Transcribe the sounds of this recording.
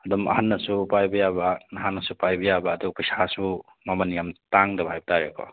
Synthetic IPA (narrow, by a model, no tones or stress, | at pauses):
ɐdɔmɐ̰hanːɐsupajbɐjabanɐɦanːɐsupajbɐjabaːdupɐjsasu | mamɐnijamtaŋdɐbʱajb̚taɾekʰɔ̰